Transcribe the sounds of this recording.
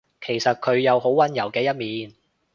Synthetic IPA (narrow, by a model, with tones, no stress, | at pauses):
kʰe˨˩jsɐ˨t̚kʰɵ˨˧ɥjɐ˨˧wɦo˨˥wːɐ˨˧njɐ˨˩wkɛː˧jɐ˥t̚miː˨˧n